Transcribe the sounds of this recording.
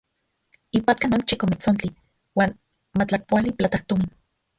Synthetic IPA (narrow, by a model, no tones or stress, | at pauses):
ipat̪̚kanont͡ʃikomit͡sont͡ɬi | waːn | mat͡ɬak̚poaliplat̪akt̪omin